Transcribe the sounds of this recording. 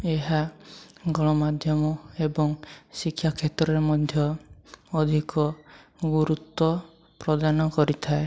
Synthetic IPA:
eɦaɡɔɭ̃ɔmad̪ʱjɔmɔebɔŋsikʰːjakʰet̪ɾɔeɾmɔd̪ʱjɔː | d̪ʱikɔɡuɾut̪ːɔ | pɾɔd̪anɔkɔɾit̪ʰae

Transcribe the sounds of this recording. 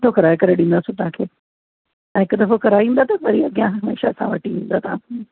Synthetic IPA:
t̪ʰokɐɾaːekɐɾeɗĩːn̆d̪aːsũt̪ɐɦãkʰeː | ɛ̃ɦɪkʊd̪ɐfokɐɾaːiʋĩːnd̪aːt̪ɐʋɐɾiɐɡijãɦɐmḛːʃasã̰ʋɐʈʰiʋĩːn̆d̪aːt̪ɐã̰

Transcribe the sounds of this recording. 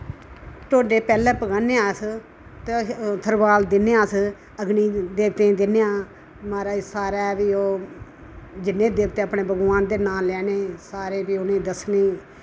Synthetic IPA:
t̪ʰoːɖeːpɛːlɛ̃ːpəɡaːneːaːs | t̪et̪ʰəɾʋaːld̪ɪneaːs | əɡniːd̪eːt̪ẽːd̪ɪneãː | maːɾaːsaːɾaːbiːoː | d͡ʒɪnẽːd̪eːʋt̪eːəpɳeːbʱəɡʋaːnd̪eːnãːlɛːneːsaːɾeːbiːʊnẽːd̪əsniː

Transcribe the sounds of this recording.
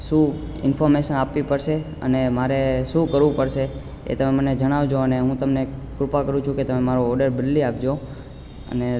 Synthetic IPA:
ʃũ | ɪ̰nfɔɾmeʃənapʋipəɾʃe | ə̰nemaɾeʃũkəɾʋũpəɾʃe | ḛt̪əmeməned͡ʒəɽ̃aʋd͡ʒoəneɦũt̪əmnekɾʊpakəɾũt͡ʃʰũket̪əmemaɾoːɖəɾbɪlːiap̚d͡ʒo | ə̰ne

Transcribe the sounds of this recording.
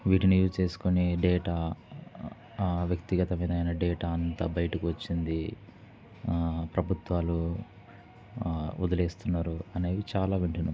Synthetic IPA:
ʋiːʈinujuːd͡ʒt͡ʃe̞ːsu̥koniɖeːʈaː | ʋjɐkt̪iɡɐt̪ɐmiːd̪ɐjnɐɖeːʈaːɐnt̪ɐbɐjɐʈikiʋɐt͡ʃːind̪i | pɾɐbʱut̪ʋaːlu | ṵd̪ɐle̞ːst̪unːaːɾuɐne̞ːdit͡ʃaːlaːʋiɳʈinu

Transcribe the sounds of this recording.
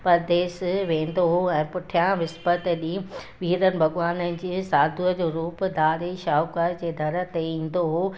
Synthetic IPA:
pɐɾd̪eːsʋẽːn̆d̪oɦoɛ̃ːpʊʈʰijãʋɪspət̪ɗiːʋʱiːɾənɪ̆bʱɐɡʋaːnənɪ̆d͡ʑiːsaːd̪ʱuəd͡ʑoːɾuːpd̪aːɾeʃaːukəɾd͡ʑeːd̪ʱɐɾə̆t̪eĩːn̆d̪oɦoː

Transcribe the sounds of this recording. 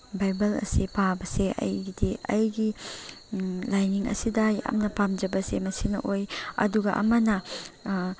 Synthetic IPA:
bajbɐlɐ̰sipabɐseʔɐ̰jɡidiɐjɡi | lajniŋɐ̰sidɐjɐ̰mnɐpamd͡ʒɐbɐsemɐsinɐʔojɐ̰duɡɐʔɐ̰mɐnɐ

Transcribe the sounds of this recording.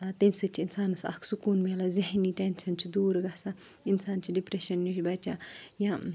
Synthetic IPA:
t̪ɐmʲsɐt͡ʃʰiinsaːnsɐ̰kʰsukuːnmeːlɐziɦniʈenʃɐnt͡ʃʰid̪uːɾɡɐsa | insaːnt͡ʃʰiɖipɾeʃɐnːiʃbɐt͡ʃajã

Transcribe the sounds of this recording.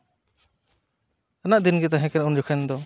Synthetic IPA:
anaʔd̪inɡɛt̪̬aɦɛ̃kɛnund͡ʒɔkʰɛnd̪ɔ

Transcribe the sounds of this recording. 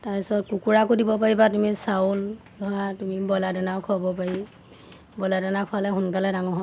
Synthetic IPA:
taɹpisɔtkukuɹakodibɔpaɹibatumisaul | nɔatumibɔladɛnakʰɔabɔpaɹi | bɔladɛnakʰɔalɛɦʊnkalɛdaŋɔɦɔ

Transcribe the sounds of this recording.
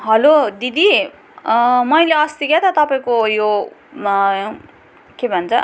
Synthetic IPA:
ɦʌlod̪id̪i | mʌjleʌst̪iɡat̪ʌt̪ʌpaĩkojo | kebʱʌnt͡sʰʌ

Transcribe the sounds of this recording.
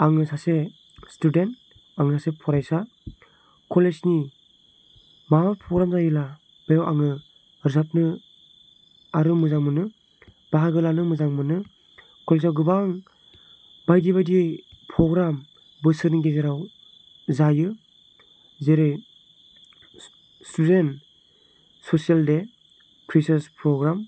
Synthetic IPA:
aŋɯsase | student | aŋɯsasepʰɔɾajsa | kʰɔled͡ʒni | maapʰɔɡɾamzajɯla | b̥ejawaŋɯ | ɾzap̚nɯ | aɾɯmɯzaŋmɯnɯ | b̥aɦaɡɯlanɯmɯzaŋmɯnɯ | kʰɔlsawɡɯbaŋ | bajdibadiɯjpʰɾɔɡɾam | bɯsɯɾnɯɡezeɾaw | zajɯ | zeɾɯj | stʰudent | sosialde | kʰɾisaspʰɾɔɡɾam

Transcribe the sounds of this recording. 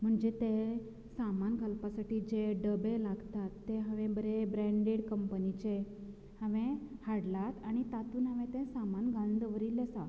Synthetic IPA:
m̤əɳd͡ʑet̪ẽ | samanɡʱalpasaʈiːd͡ʑeɖəbelaɡt̪at̪ːeɦə̃ʋẽbəɾebɾɛ̃ɳɖeɽkəmpənit͡ɕe | hə̃ʋẽhaɽlat̪aɽ̃it̪at̪uːnɦəʋẽt̪ẽsamanɡãnd̪əʋəɾilːesa

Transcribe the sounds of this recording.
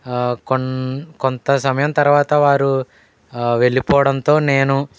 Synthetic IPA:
konkont̪ɐsɐmɐjɐmt̪ɐɾʋaːt̪ɐʋaːɾu | ʋe̞ɭːipɔːʋɐɽɐnt̪o̞ːne̞ːnu

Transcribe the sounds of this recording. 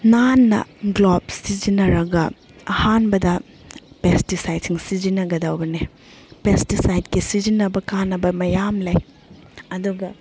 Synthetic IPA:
nanːɐ̰ɡlob̚sid͡ʒinɐɾɐɡɐ | ɐhanbɐdɐ | pestisajdsiŋsid͡ʒinɐɡɐdawbɐne | pestisajd̚kisizinɐbɐkanːɐbɐmɐjamlɐj | ɐduɡɐ

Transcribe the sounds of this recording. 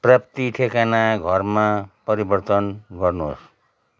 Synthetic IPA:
prʌpt̪iʈʰekanaɡʱʌrmapʌɾibʌrt̪ʌnɡʌrno̰s

